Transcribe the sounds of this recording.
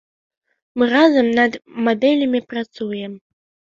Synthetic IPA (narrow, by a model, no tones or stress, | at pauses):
mɨɾazɐmnɐd̪mad̪ɛlʲɐmʲipɾat̪sujɛm